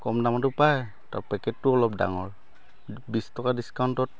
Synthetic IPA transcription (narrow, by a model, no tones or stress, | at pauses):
kɔmdamatʊpaj | tapɛkɛtːʊɔlɔp̚da̰ŋɔɹ | bistɔkadiskawntɔt̚